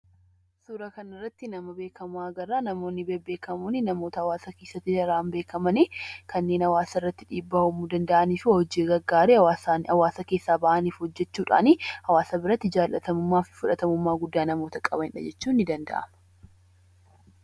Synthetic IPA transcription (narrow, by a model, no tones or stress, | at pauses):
suːɾɐkɐnɪrːɐt̪ːɪnɐmɐbe̞ːkʰɐmʊɐɡɐrːaːnɐmo̞ːnːɪbebe̞ːkɐmuːnɪnɐmo̞ːt̪ɐhɐwaːsɐke̞ːsːɐt̪ːɪɐɾaːmbe̞ːkɐmɐnikɐnːeːnhɐwaːsɐɪrːɐt̪ːɪᶑiːbːaʊmuːd̪ɐnd̪ɐʔɐniːfuːhɔd͡ʒiːɡɐɡːaːɾehɐwaːsanɐwaːsɐke̞ːsːaːbɐʔɐniːfhɔd͡ʒːɛt͡ʃːuːᶑa̰ːnɪhɐwaːsɐbɪɾɐt̪ːɪd͡ʒaːlʔɐt̪ɐmʊmːaːfɪfʊᶑɐt̪ɐmʊmːaːɡʊd̪ːaːnɐmo̞ːt̪ɐkʼɐbɐnɪᶑɐ̰d͡ʒɛt͡ʃːuːnːɪd̪ɐnd̪ɐ̰ʔɐ̰mɐ